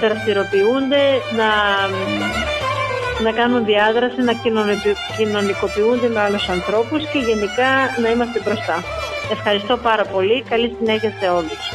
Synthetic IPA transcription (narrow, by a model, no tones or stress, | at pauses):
ɾɐst̪iɾo̞piund̪e̞nɐ | nɐkɐnunðiɐðɾɐsinɐ | cino̞niko̞piund̪e̞meɐlusɐnθɾo̞pusce̞ʝe̞nikɐnɐimɐst̪e̞bɾo̞st̪ɐe̞fxɐɾist̪o̞pɐɾɐpo̞likɐlisine̞çɐse̞o̞lus